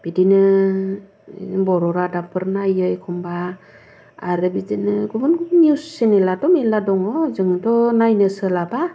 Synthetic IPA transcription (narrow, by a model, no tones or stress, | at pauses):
b̥idinɯ | bɔɾɔɾadapʰɯɾnajɯjkʰɔmbaː | ɾɯbidinɯɡubɯnniusːenelatɔmeladɔŋɔzɯŋɯdɔnajnɯsɯlaba